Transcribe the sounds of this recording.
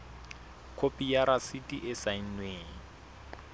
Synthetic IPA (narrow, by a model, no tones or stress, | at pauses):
kʰopijaɾasitʼiʔɪsainweːŋ̩